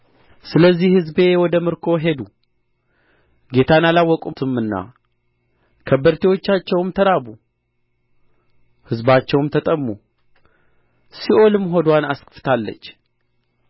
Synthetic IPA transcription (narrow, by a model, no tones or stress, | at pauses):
sɨləzːihhɨzbe̞wɔd̪əmɨɾkʰo̞ɦe̞d̪u | ɡe̞t̪ʰanalawːɔkʼut̪ʰɨmɨnːa̰ | kʰəbːəɾt̪ʰewo̞t͡ʃːat͡ʃːɛwmt̪ʰəɾabu | hɨzbat͡ʃːɛwmt̪ʰət̪ʼəmːu | siʔo̞lɨmɦo̞d̪wanaskɨft̪ʰalːə̰t͡ʃː